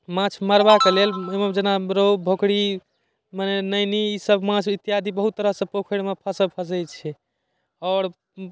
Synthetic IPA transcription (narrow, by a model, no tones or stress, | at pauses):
mãt͡ʃʰməɾbakelelemed͡ʒenaɾobʱokɽi | manenəjniisəbmãt͡ʃʰit̪ːijad̪ʱibəɦut̪ːəɾəɦsẽpokʰəɽmepʰəsəbpʰəs̬əjt͡ʃʰɛ | ɔːɾ